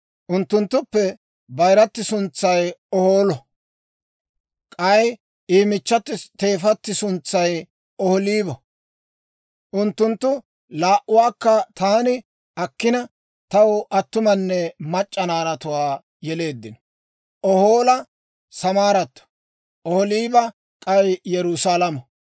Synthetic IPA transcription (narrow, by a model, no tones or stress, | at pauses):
ʔʊnt̪ːʊnt̪ːʊpːɛ | bɐjɾɐt̪ːɪsʊnt͡sːɐjɔhoːlɔ | kʼɐj | iːmɪt͡ʃːɐt̪ːɪt̪e̞ːfɐt̪ːɪsʊnt͡sːɐj | ɔhɔliːbɔ | ʔʊnt̪ːʊnt̪ːʊ | laːʔʊwaːkːɐt̪aːnɪ | ɐkːɪnɐ | t̪ɐwɐt̪ːʊmɐnːɛmɐt͡ʃʼːɐnaːɾɐt̪ʊwaː | jɛle̞ːd̪ːɪnɔ | ʔɔhoːlɐ | sɐmaːɾɐt̪ːɔ̥ | ʔɔhɔliːbɐ | kʼɐjjɛɾʊsalɐmɐ